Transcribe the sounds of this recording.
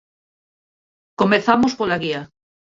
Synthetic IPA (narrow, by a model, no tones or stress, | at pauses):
komeθamospolaɣia